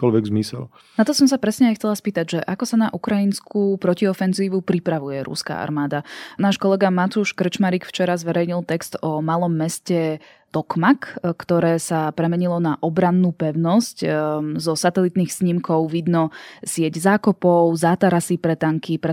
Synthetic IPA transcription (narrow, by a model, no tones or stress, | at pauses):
kɔlʋɛɡzmisɛ̰l | nat̪ɔsɔmsapɾɛsɲɛajxt͡sɛlaspiːt̪aɟʒɛʔakɔsana̰ʔukɾainskʰuːpɾɔciɔfɛnziːʋupɾipɾaʋujɛɾṵska̰a̰ɾmaːd̪anaːʃkɔlɛɡamat̪uʃkr̩t͡ʃmaɾiːkft͡ʃɛɾazʋɛɾɛjɲilˠt̪ɛkst̪ɔmalɔmːɛscɛ | t̪ɔkmakkt̪ɔɾɛːsapɾɛmɛɲilɔnaʔɔbɾanːuːpɛʊnɔsczɔsat̪ɛlit̪niːxsɲimkɔʊʋid̪nɔsɪɛɟzaːkɔpɔʊzaːt̪aɾasipɾɛt̪aŋkipɾɛ